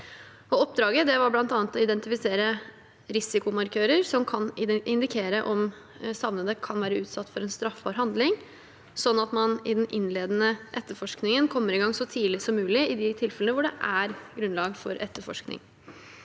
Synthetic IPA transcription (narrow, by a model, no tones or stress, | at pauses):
ɔɔp̚d̪ɾɑːɡəd̪ɛʋɑɾblɑnt̪ɑːnət̪ɔɪd̪ɛnt̪ɪfɪseːɾə | ɾɪsɪkʊmɑɾkʰøːɾəɾsɔmkʰɑnɪɪnd̪ɪkʰeːɾəʔɔm | sɑʋnəd̪əkʰɑnʋæːɾəʉːt̪sɑt̪ːfɔɾɛːnst̪ɾɑfbɑːɾɦɑnd̪lɪŋ | sɔnːɑt̪mɑnɪd̪ɛnʔɪnːleːd̪ənəʔɛt̪ːəɾfɔʂknɪŋənkʰɔmːəɾɪɡɑŋsɔt̪ʰiːlɪsɔmːʉːlɪɪd̪ɪt̪ʰɪlfɛlənəʋʊɖɛʔæɾɡɾʉnlɑːɡfɔɾʔɛt̪ːəɾfɔ̰ʂknɪ̰ŋ